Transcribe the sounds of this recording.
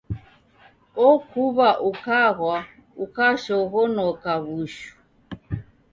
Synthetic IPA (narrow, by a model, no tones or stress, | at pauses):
ɔkuβaʔukaɣwa | ukaʃɔɣɔnɔkaβuʃu̥